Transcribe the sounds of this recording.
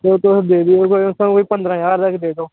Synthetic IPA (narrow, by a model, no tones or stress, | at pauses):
t̪eoːt̪osd̪eːd̪iokoiʊsə̃koːiːpə̃nd̪ɾãːjaːɾd̪əkʰd̪eːd̪oː